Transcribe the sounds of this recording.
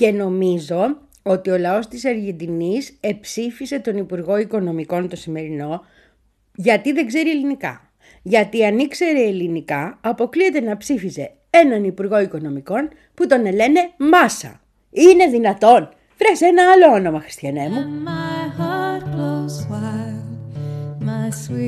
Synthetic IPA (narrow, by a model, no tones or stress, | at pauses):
ce̞no̞mizo̞ | o̞t̪io̞lɐo̞st̪isɐɾʝend̪inise̞psifise̞t̪o̞nipuɾɣo̞iko̞no̞miko̞nt̪o̞sime̞ɾino̞ | ʝɐt̪iðe̞ɡze̞ɾie̞linikɐ̰ | ʝɐt̪iɐnikse̞ɾe̞ːlinikɐɐpo̞klie̞t̪e̞nɐpsifize̞ | e̞nɐnipuɾɣo̞iko̞no̞miko̞n | put̪o̞nele̞ne̞mɐsɐ̰ | ine̞ðinɐt̪o̞n | fɾesenɐɐlo̞ono̞mɐxɾist̪çɐnemumahɑtwozwa | mas